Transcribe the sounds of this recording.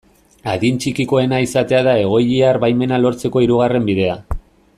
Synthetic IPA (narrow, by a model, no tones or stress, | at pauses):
aðint͡ʃikiko̞e̞naisat̪e̞aðae̞ɣ̞o̞ʎiarβajme̞nalo̞ɾt͡se̞ko̞iɾuɣ̞are̞mbiðe̞a